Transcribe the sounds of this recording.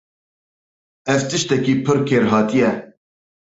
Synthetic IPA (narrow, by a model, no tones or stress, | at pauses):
ɛvt̪ɨʃt̪ɛkiːpʰɨɾkʰeːɾɦɑːt̪ijɛ